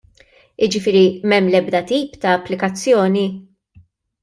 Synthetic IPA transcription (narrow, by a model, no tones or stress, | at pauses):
ɪd͡ʒɪfɪːɾimɛmːlɛbd̪ɐt̪iːpt̪ɐːpːlɪkɐt͡sːjɔːni